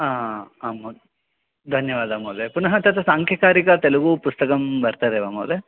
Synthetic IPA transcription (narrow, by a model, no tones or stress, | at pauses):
aːaːmo | d̪ʱɐnjɐʋaːd̪amoːd̪epunɐɦɐt̪ɐt̪ʰɐsaːŋkʰjɐkaːɾikɐt̪elɐɡupust̪ɐkɐmbɐɾt̪aːd̪eʋamoːle